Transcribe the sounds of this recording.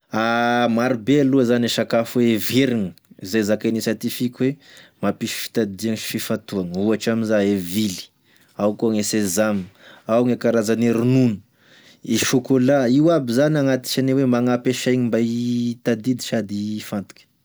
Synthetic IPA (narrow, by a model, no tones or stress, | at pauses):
amaɾubealuazanaʃakafuweeveɾiŋəizajzakanisat̪ifikʲwemapiʃfi̥t̪ad̪iaŋfifat̪uaŋəuaʈ͡ʂaminzaevili̥ | awkuaŋesezaməawŋekaɾazaniɾununə̥ | iʃukolaiwabizanaŋat̪i̥t͡ʃanewemaŋapeʃajŋimbait̪ad̪id̪i̥ʃad̪ifant̪u̥kʲə̥